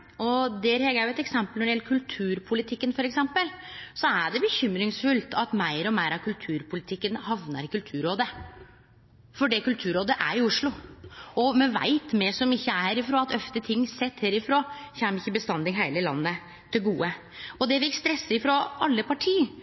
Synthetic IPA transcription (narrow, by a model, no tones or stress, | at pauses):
ɔd̪ɛæɾhɛɡæjʊɛt̪ɛksɛmpəlnɔɖɪjɛlːəkʰʉlt̪ʰʉːɾpʰʊlɪt̪ʰɪkːənfɔɾɛksɛmpəlsɔæɖɛbəçʏmɾɪŋsfʉlt̪ʰɑt̪mæɪɾɔmæɪɾɑʋkʰʉlt̪ʰʉːɾpʰʊlɪt̪ʰɪkːənhɑʋnəɾɪkʉlt̪ʰʉːɾoːd̪ə | fɔɖɛkʉlt̪ʰʉːɾoːd̪əʔæɾɪʊʂlʊɔmɛʋæ̰ɪt̪mɛsɔmɪçːəæhæːɾɪfɾoːɑt̪ʰœft̪ət̪ʰɪŋːsɛt̪ːheːɾɪfɾoːçæːmɪçːəbəst̪ɑnd̪ɪɦæɪləlɑ̰nːə | t̪ʰɪlɡuːə | ɔd̪ɛʋɪst̪ɾɛsːɪfɾɔʔɑlːəpʰɑʈʰiː